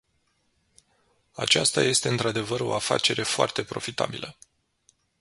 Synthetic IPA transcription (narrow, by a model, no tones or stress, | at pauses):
a̰t͡ʃast̪aje̞st̪e̞ɨnt̪ɾad̪e̞vəɾo̞̰afa̰t͡ʃe̞ɾe̞foa̰rt̪e̞pɾo̞fit̪a̰bilʔə